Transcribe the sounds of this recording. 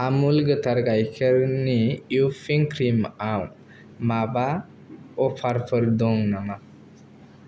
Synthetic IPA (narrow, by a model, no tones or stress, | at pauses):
amulɡɯt̪aɾɡajkʰeɾnijupʰiŋkʰɾimaw | maba | ɔpʰaɾpʰəɾd̪ɔŋnaŋa